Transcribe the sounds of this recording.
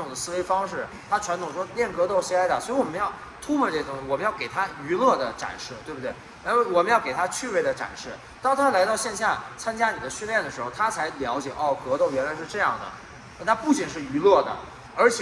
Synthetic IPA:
ʊ˨˩ŋd̪ə˦sɹ̩˥˧we˥ɪfɑ˥ŋʂɻ̩˥˩ | t̪ʰa˥ʈ͡ʂʰwa˧˥nt̪ʰʊ˨˩ŋʂwɔ˥ljɛ˥˩nkɤ˧˥t̪o˥˩ʊɕi˧˥a˥ə˨˩swɔ˧˥i˧˥wɔ˨˩mə˦jɑ˥˩ʊ | t̪ʰu˥pʰɔ˥˧ʈ͡ʂɤ˥˩˧ʊ˥ŋɕwɔ˨˩mə˦jɑ˥˩ʊke˨˩ɪt̪ʰa˥y˧˥lɤ˥˩d̪ə˩ʈ͡ʂa̰˨˩nʂɻ̩˥˩t̪we˥˧ɪbu˧t̪w | a˥wwɔ˨˩mə˦njɑ˥˩ʊke˨˩ɪt̪ʰa˥t͡ɕʰy˥˧pe˥˩ɪd̪ə˦ʈ͡ʂa̰˨˩nʂɻ̩˥˩ | t̪ɑ˥ŋt̪ʰa˥la˧˥ɪɾɑ˥˧ʊɕjɛ˥˧nɕ̬ja˥˩t͡sʰa˥nt͡ɕja˥ni˨˩d̪ə˦ɕy˥˧nljɛ˥˩nd̪ə˩ʂɻ̩˧˥xʊt̪ʰa˥t͡sʰa˧˥ɪljɑ˧˥ʊt͡ɕjɛ̰˨˩ʔɔ˥˩kɤ˧˥t̪o˥˩ʊɥɛ˧˥nla˧˥ɪʂɻ̩˥˧ʈ͡ʂɤ˥˧jɑ˥˩ŋd̪ə̰˩˥˧ | t̪ʰa˥pu˥˩t͡ɕi˨˩nʂɻ̩˥˩y˧˥lɤ˥˩d̪ə̰˩ | ə˞˧˥t͡ɕʰ

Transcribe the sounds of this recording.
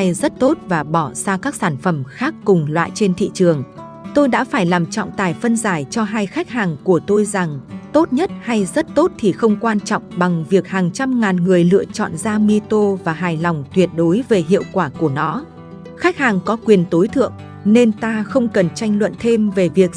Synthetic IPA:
jzə˦˥t̚t̪o˦˥t̚vaː˨˩ɓɔ˧˩z̥aː˧kaː˦˥k̚saː˧˩nfə˧˩mxaː˦˥kːʊ˨˩ŋ͡mlwa̰ː˧˨jt͡ɕe˧nt̪ʰḭ˧˨t͡ɕɨ˨˩əŋ | t̪o˧jɗa̰ː˧˥faː˧˩jlaː˨˩mt͡ɕɔ̰˧˨wŋ͡mt̪aː˨˩jfə˧nzaː˧˩jt͡ɕɔ˧ɦaː˧jxa˦˥jk̟̚haː˨˩ŋku˧˩ət̪o˧jza˨˩ŋt̪o˦˥t̚ɲə˦˥t̚ha˧jzə˦˥t̚t̪o˦˥t̚t̪ʰi˨˩xə˧wŋ͡mkwaː˧nt͡ɕɔ̰˧˨wŋ͡mɓa˨˩ŋvi˨˩ək̚haː˨˩ŋt͡ɕa˧mŋaː˨˩nŋɨ˨˩əjlɨ̰˧˨ət͡ɕɔ̰˧˨nzaː˧mi˧t̪o˧vaː˨˩ɦaː˨˩jlɔ˨˩wŋ͡mt̪wi˨˩ət̚ɗo˨˦jve˨˩ɦḭ˧˨əwkwaː˧˩ku˧˩ənɔ˧˥ | xa˦˥k̟̚haː˨˩ŋkɔ˨˦kwi˨˩ənt̪o˨˦jt̪ʰɨ̰˧˨əŋ | ne˧nt̪aː˧xə˧wŋ͡mkə˨˩nt͡ɕa˧jŋ̟lwə̰˧˨nt̪ʰe˧mve˨˩vi˨˩ək̚

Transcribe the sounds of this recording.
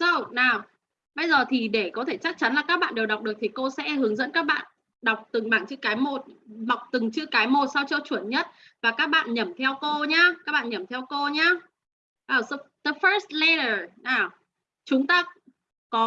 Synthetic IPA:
sə˧wnaː˨˩w | ɓə˧jzəː˨˩t̪ʰi˨˩ɗe˧˩kɔ˨˦t̪ʰe˧˩t͡ɕa˦˥k̚t͡ɕa˨˦nlaː˨˩kaː˦˥k̚ɓa̰ː˧˨ɗe˨˩wɗa˨˩k͡p̚ɗək̚t̪ʰi˨˩ko˧sɛ̰˧˥hɨ˨˦əŋzə̰˧˥nkaː˦˥k̚ɓa̰ː˧˨n | ɗa˨˩wk͡p̚t̪ɨ˨˩ŋɓaː˧˩ŋt͡ɕɨ̰˧˥kaː˨˦jmo˨˩t̚ma˨˩wk͡p̚t̪ɨ˨˩ŋt͡ɕɨ˧əkaː˨˦jmo˨˩t̚sa˧wt͡ɕɔ˧t͡ɕu˧˩ənɲə˦˥t̚ | vaː˨˩kaː˦˥k̚ɓa̰ː˧˨nɲə˨˧˩mt̪ʰɛ˧wko˧ɲaː˧kaː˦˥k̚ɓa̰ː˧˨nɲə˧˩mt̪ʰɛ˧wko˧ɲaː˧ | ʔəː˨˧˩ə˧t̪ə˧fəː˦˥st̚lɛ˧ɾə˨˩naː˨˩w | t͡ɕʊ˨˦ŋ͡mt̪aː˧ | kɔ˨˦

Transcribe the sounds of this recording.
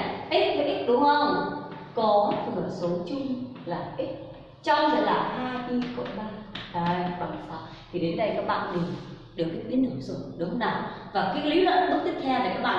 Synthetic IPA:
ʔi˦˥t̚vʔi˦˥k̚ɗʊ˨˦ŋ͡mhə˧wŋ͡m | kɔ˨˦tɨ˨˧˩əso˨˦t͡ɕʊ˧ŋ͡m | laː˨˩ʔi˦˥t̚ | t͡ɕɔ˧wŋ͡mlaː˨˩haː˧jʔi˧ko̰˧˨jɓaː˧jɗa˧˩jwa˨˩n˨˩faː˨˧˩ | t̪ʰi˨˩ɗe˨˦nɗə˧jkaː˦˥k̚ɓa̰ː˧˨nmï˨˩ŋ̟ | ɗɨ˨˩ək̚ki˨˦˥k̚ɓi˨˦tnɨ˧˩sə˧˩ɗʊ˨˦naː˨˩wvaː˨˩kaː˨˦kli˨˦ɗɔ̰˧˥˦ɗɨ˦˥t̪̚ʰi˦˥k̚k̪ʰɛ˧wla˨˩kaː˦˥k̚ɓa̰ː˧˨

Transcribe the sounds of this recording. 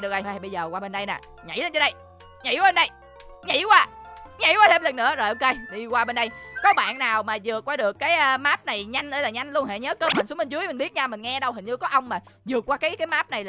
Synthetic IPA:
ɗɨ˨˩ək̚ʔə˧˩ɓə˧jzəː˨˩kwaː˧ɓe˧nɗə˧jna̰ː˨˩ | ɲa̰˧˩jlə˧nt͡ɕɗə˧j | ɲḭ˧˦waː˨˧˦ɓe˧nɗə˧j | ɲḭ˧˥kwaː˧˩ɲḭ˧˥˦waː˧t̪e˧mlə˨˩nːɨ̰˧˥əzo˨˩jʔo˧ke˧jɗi˧kwaː˧ɓe˧nɗə˧jkɔ˨˦ɓa̰ː˧˨nːaː˨˩wmaː˨˩zɨ˨˩əkːwaː˧ɗɨ˨˩əkːaː˨˦jʔːmaː˦˥p̚na˨˩jɲa˧jŋ̟ʔɗə˧˩jlaː˨˩ɲa˧jŋ̟lu˧əŋɦḛ˧˨ɲə˨˦kəː˧˦ɓə̰˨nsu˨˦mï˨˩ŋzɨ˨˦əjmï˨˩ŋɓi˦˥ət̚ɲa˧wmï˨˩ŋ̟ŋɛ˧ɗə˧whi˨˩ŋ̟ɲɨ˧kɔ˨˦ʔə˧wŋ͡mmaː˨˩zɨ˨˩əkːwaː˧kaː˨˦jkaː˨˦jmaː˦˥p̚na˨˩jl

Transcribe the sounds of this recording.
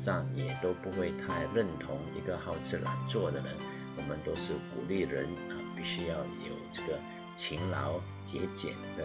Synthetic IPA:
ʂɑ˥˩ŋjɛ˨˩t̪o˥ʊpu˧˥xwe˥˧ɪt̪ʰa˥˧ɪɻə˥˩nt̪ʰʊ˧˥ŋḭ˧˥ɡə˧xɑ˥˧ʊt͡sʰɻ̩˥˩la̰˧˥nt͡swɔ˥˩d̪ə˩nə˧˦ | wɔ˨˩mə˧˦nt̪o˥ʊʂɻ̩˥˩kṵ˨˩li˥˩ɻə˧˥nə˧pi˥˩ɕy˥jɑ˥˩ʊjo˨˩ʊʈ͡ʂɤ˥˩ɡə˩ | t͡ɕʰi˧˥ŋlɑ˧˥ʊ | t͡ɕjɛ˧˥t͡ɕjɛ̰˨˩nd̪ə˦

